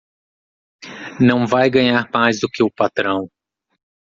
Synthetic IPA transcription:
nɐ̃w̃vajɡɐ̃ɲaɾmajzd̪ʊkɪʊpat̪ɾɐ̃w̃

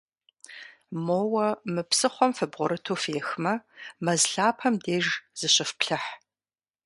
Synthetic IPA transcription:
moːwɐmɨpsɨχʷɔmfɨbʁʷʊɾɨtʰuːfeːxmɐmɐzɬaːpʰɐmdeːʒz̥ɨɕɪfpɬɐħ

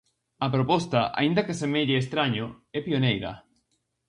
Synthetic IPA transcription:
ɐpɾopɔst̪aʔa̰ind̪ɐkesemeʎɪːst̪ɾaɲo | ɛpionejɾɐ̰

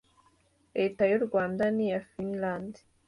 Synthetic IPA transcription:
ɾe̞ːtajuɾɡwaːndanijafinlandi̥

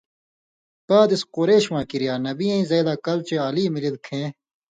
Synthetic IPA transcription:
kaːd̪isqoɾeːɕwãːkiɾijaːnɐbiɐ̃ĩːzɐːd̪aːkɐlt͡ɕeaːliːmilid̪kʰẽː

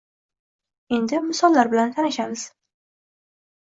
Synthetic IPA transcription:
e̞nd̪ɪmɪsɒlˠːaɾbɪlant̪ʰanɪʃamɪz̥

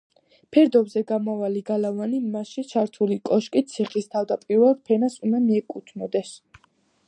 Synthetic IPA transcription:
pʰɛɾd̪ɔvzɛɡamɔvaliɡalavanimasʃit͡ʃʰaɾt̪ʰulikʼɔʃkʼit̪sʰiχist̪ʰavd̪apʼiɾvɛlˠd̪̚pʰɛnasumamiɛkʼut̪ʰnɔd̪ɛs

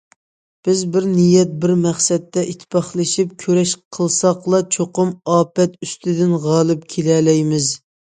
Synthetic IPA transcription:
b̥ɪzbɪɾnijɛt̪̚bɪɾmæχsɛt̪ːɛʔit̪ʰpʰɑχlˠɨʃip̚kʲʰøɾɛʃqʰəlˠsɑqlˠɑt͡ʃʰoqʊmɑːpɛt̪yst̪ʰɪd̪ɪnʁɑːlˠɨp̚kʲʰelɛlɛjmɪz

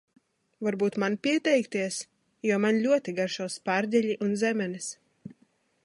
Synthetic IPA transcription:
vaɾbuːt̪manpʲiɛt̪ɛjkt̪iɛs | juɔmanlʲuɔt̪ʲiɡaɾʃawspaɾd̪ʲɛlʲiʔunzɛmʲɛnis

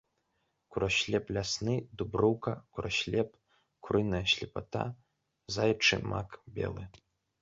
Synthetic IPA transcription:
kʷuɾaʃlʲepʼlʲasnɨdubruwkʰakʷʰrʔaʃlʲepʼ | kʷʰrʔɨnaɕlʲipʰatʰa̰ | zajʈ͡ʂʰɨ̰ma̰kʰʼbʲḛlˠɨ

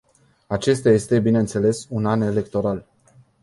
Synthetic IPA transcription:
at͡ʃe̞st̪eaje̞st̪e̞bine̞ɨnt̪se̞le̞sunane̞le̞kt̪o̞ɾal

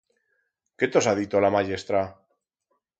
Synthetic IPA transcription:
ke̞t̪osaðit̪olamaʎest̪ɾa

